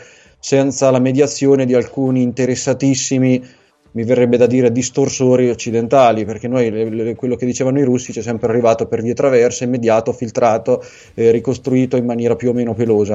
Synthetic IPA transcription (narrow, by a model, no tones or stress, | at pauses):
sɛnt̪salamed̪jat̪sːjoːned̪ialkuːniːnt̪eɾesːat̪isːimi | miverːɛbːed̪ad̪iːɾed̪ist̪orsoːɾiot͡ʃːid̪ent̪aːliperk̟enojkwelːoked̪ːit͡ʃeːvanoiɾusːit͡ʃɛs̬ːɛmpɾearːivaːt̪operviːet̪ɾavɛrseimːed̪jaːt̪ofilt̪ɾʔaːt̪o | erikost̪ɾuiːt̪oimːanjɛːɾapjuomeːnopeloːza